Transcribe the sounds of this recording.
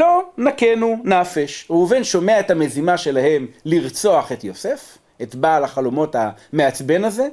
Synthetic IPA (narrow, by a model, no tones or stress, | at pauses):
lo̞nake̞nunafeʃeuvenʃo̞meaethame̞zimaʃe̞lahe̞mliʁt͡so̞aχe̞tjose̞f | etbaːlaχalo̞mo̞tame̞at͡sbe̞naze̞